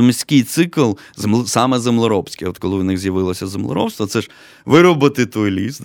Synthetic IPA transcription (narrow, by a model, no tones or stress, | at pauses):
mʲɪsʲkɪjt̪sɪklˠ | zemˠsɑmɛzemlˠɔɾɔpsʲkʲɪɔt̪kɔlˠɪʋnɪɣzʲjɐʋɪlˠɐsʲɐzemlˠɔ̰ɾɔ̰wst̪ʋɐt̪sɛʃ | ʋɪɾɔbɐt̪ɪt̪ɔjlʲis